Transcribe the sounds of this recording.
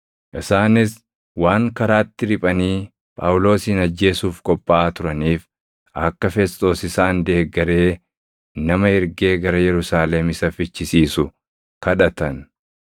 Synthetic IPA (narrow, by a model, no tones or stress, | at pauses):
ʔɪsaːnɪs | waːŋkɐɾaːt̪ːɪɾɪpʼɐniː | pʼaːwʊlo̞ːsiːnɐd͡ʒːe̞ːsuːfkʼɔpʼːaaːt̪ʊɾɐniːf | ɐkːɐfɛst̪ʼo̞ːsɪsaːnd̪e̞ːɡːɐɾe̞ː | nɐmɐɪɾɡe̞ːɡɐɾɐjɛɾʊsaːlɛmɪsɐfɪt͡ʃːɪsiːsʊ | kɐᶑɐt̪ɐn